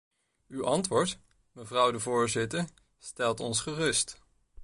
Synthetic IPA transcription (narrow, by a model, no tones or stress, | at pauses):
ywʔɑntʋʊːɹt | məvrʌwdəvʊːɹzɪtəɹ | stɛlˠtɔnsχərɵst